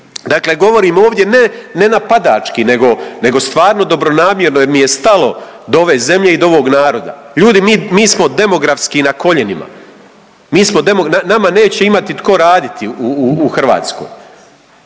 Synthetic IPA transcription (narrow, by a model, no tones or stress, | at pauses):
d̪akle̞ɡo̞ʋo̞ɾiːmo̞ːʋd̪ʲje̞nene̞napad̪a̰ːt͡ʃkine̞ɡo̞ne̞ɡo̞st̪ʋaːɾnod̪o̞bɾo̞naːmje̞ɾnojeɾmije̞st̪alo̞ | d̪oo̞ʋe̞ːze̞mʎe̞id̪oo̞ʋo̞ːɡnaːɾo̞d̪a̰ | ʎuːd̪imiːmiːsmo̞d̪e̞mo̞ɡɾafskinako̞ʎenḭma̰ | miːsmod̪e̞monanamane̞ːt͡ɕeimat̪it̪ko̞ɾaːd̪it̪iuuuxr̩ʋa̰ːt̪sko̰ːj